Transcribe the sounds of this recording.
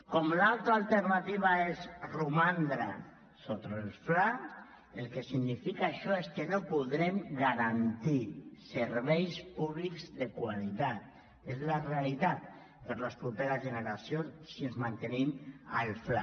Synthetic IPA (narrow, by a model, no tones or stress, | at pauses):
kɔmlalt̪ɾaːlt̪eɾnat̪iβ̞aezrumand̪ɾa̰ | sot̪ɾelfla | elˠkesiɡnifikaːʃɔeskenopuðɾemɡaɾant̪iseɾβejspuβlikzðekwalit̪at̪̚ | ezlarealit̪at̪̚ | pəɾləspɾupeɾazʒeneɾasjonssiənzmant̪enima̰lfla̰